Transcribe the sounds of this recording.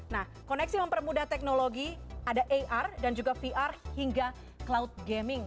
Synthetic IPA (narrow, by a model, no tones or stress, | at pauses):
nah | konɛksiməmpərmudaht̪ɛk̚noloɡiadaʔeʔardand͡ʒuɡafiʔarhiŋɡa | klaʊt̪̚ɡɛmɪŋ